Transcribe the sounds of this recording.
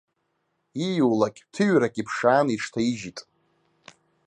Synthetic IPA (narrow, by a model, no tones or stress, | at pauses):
ijuwlakʲʼtʰɨɥrakʼipʰʂaːniʂʰtʰaiʒitʼ